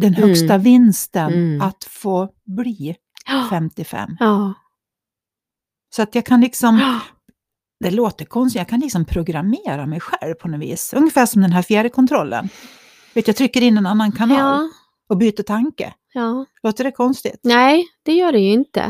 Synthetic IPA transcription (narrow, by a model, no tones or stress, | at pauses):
d̪ɛnhœkst̪avɪnst̪ənat̪foː | bliː | fɛmt̪ɪfɛ̰mː | sɔat̪jɑːkʰanlɪksɔm | d̪ɛloːt̪əkʰɔnst̪jɑːkʰanlɪksɔmpʰɾʊɡɾameːɾamɛjɧɛlvpʰɔnɔvḭːsɵŋːəfæːʂɔmd̪ɛnɦæːɾfjæːɖəkʰɔnt̪ʰɾɔlːə̰n | veːt̪jɑt̪ʰɾʏkːəɾɪnːɛnanːankʰanɑːl | ɔbyːt̪əʈʰaŋkə̰ | loːt̪əɖɛkʰɔnst̪ɪ̰t̪nɛd̪̥ɛjœːɖɛjɵɪnt̪ə̰